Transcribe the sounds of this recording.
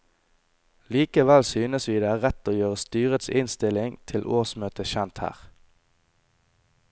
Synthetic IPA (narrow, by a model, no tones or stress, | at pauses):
liːkəʋælsyːnəsʋiːd̪eːæːʁɛt̪oːjøːʁəst̪yːʁət̪sɪnst̪ɪlɪŋt̪ʰɪlʔoːsmøːt̪əçɛnt̪hæ̰ːʁ